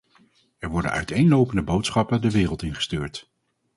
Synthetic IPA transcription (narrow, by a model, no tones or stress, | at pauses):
ɛɹʋɔɹdə̰nœ̰ɥtejnlowpəndəbowtsχɑpədəʋɪːrəlˠtɪnχə̥styːɹt